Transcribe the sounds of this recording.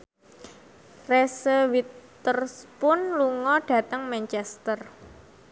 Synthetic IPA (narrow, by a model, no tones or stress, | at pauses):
resəwit̪ː | ərspʊnluŋɔɖ̥ä̤t̪əŋmɛnt͡ʃɛst̪ər